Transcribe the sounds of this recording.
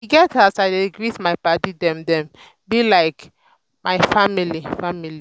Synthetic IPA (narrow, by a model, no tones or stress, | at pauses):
iɡɛtaʊsaɪdeɡɹitmaɪpadidɛ̃mdɛ̃m | bilaɪk | maɪfamilifamili